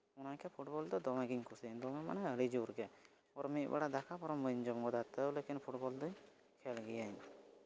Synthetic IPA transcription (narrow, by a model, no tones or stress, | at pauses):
ɔnakɛpʰuʈbɔld̪ɔd̪ɔmaɡiɲkʰusaɲd̪ɔmɛma̰nɛəɽid͡ʒuɾɡɛ | ɔɾmɛʔ̚ba̰ɽad̪akʰapɔɾɔmbəɲd͡ʒɔmɡɔd̪at̪əlekinpʰuʈbɔld̪ɔ | kʰɛlɡɛjaɲ